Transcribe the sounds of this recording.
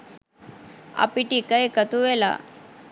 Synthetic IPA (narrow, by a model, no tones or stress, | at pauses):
a̰piʈikəjkət̪uʋela̰